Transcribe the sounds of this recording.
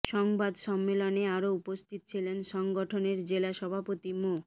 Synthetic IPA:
ʃɔŋbad̪ʃɔmːeloneaɾoupost̪ʰit̪t͡ɕʰilenʃɔŋɡoʈʰoneɾd͡ʑelaʃɔbʱapot̪imo

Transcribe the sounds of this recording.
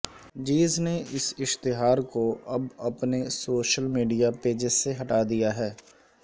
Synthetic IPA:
d͡ʒiːzneɪsɪʃt̪ɪɦaːɾkoɐbɐpnesoːʃəlmiːɖijapeːd͡ʒɪzːeɦɐʈaːd̪ijaɦɛː

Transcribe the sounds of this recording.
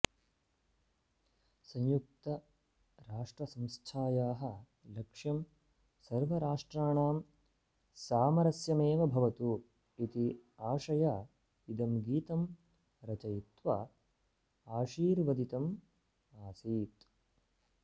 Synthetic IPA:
sɐ̃ɲjuk̚t̪ɐ | ɾaːʂʈɾɐsɐ̃mst̪ʰaːjaːɦɐ̆ | lɐkʂjɐm | sɐɾʋɐɾaːʂʈɾaːɳaːm | saːmɐɾɐsjɐmeːʋɐbʱɐʋɐt̪u | it̪iaːʂɐjaː | id̪ɐmɡiːt̪ɐm | ɾɐt͡ʃɐjit̪ʋaː | aːʂiːɾʋɐd̪it̪ɐm | aːsiːt̪

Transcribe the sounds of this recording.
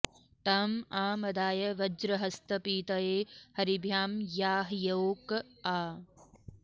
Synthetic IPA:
t̪aːmaːmɐd̪aːjɐʋɐd͡ʒɾɐɦɐst̪ɐpiːt̪ɐjeːhɐɾibʱjaːmjaːɦjɐwkaː

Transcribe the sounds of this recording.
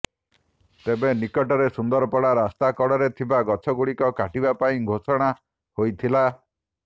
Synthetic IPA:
t̪ebenikɔʈɔɾesund̪ɔɾɔpɔɽaɾast̪akɔɽɔɾet̪ʰibaɡɔt͡ʃʰɔɡuɽikɔkaʈibapaĩɡʱosɔɽ̃a | hojt̪ʰila

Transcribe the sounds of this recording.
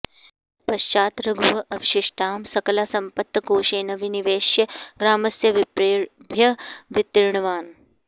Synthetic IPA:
pɐʃt͡ʃaːt̪ɾɐɡʱuɦɐʔɐʋiʃɪʂʈʰaːmsɐkɐlaːsɐmpɐt̪ːɐkoːʃeːnɐʋiniʋeːʃjɐɡɾaːmɐsjɐʋbʱjɐʋit̪ːiɾɳɐʋaːn

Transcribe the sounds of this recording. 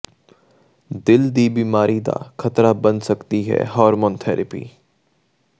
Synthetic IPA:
d̪ɪld̪iːbiːmaːɾid̪a̰ːkʰət̪ɾabənsəkt̪iɦɛ̰ɦɔːɾmõːnt̪ʰɛːɾʔəpḭː

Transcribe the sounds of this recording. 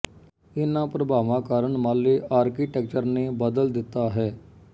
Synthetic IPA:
ɪnãːpɾəbʱaːʋãːkaːɾəɳmaːleːʔaːɾkiːʈɛːk̚t͡ʃəɾnẽːbəd̪əld̪ɪt̪ːaːɦɛː

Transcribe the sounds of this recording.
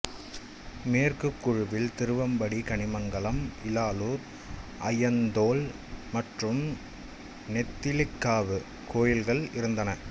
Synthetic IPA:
meːrkɯkːʊɻʊʋɪlt̪ɪɾɯʋɐmbɐɽikɐɳɪmɐŋɡɐɭɐmʔɪlaːluːɾ | ʔɐjɐnd̪oːl | mɐʈrɯm | nɛt̪ːɪlɪkːaːʋɯ | koːjɪlɣɐɭɪɾɯnd̪ɐnɐ

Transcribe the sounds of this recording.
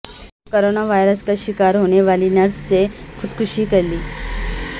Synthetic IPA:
koɾonaʋajɾəskəɕikaɾɦoɽ̃eʋaliːnjaɾt͡st͡sekʰud̪kʰuɕiːkəɾliː

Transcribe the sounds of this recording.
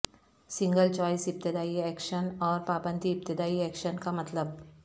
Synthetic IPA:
sɪ̃ŋɡəlt͡ʃɔːɪsɪp̚t̪ɪd̪aːiɛːkʃənɔːɾpaːbə̃nd̪ʱiːp̚t̪ɪd̪aːiɛːkʃənkamɐt̪ləb

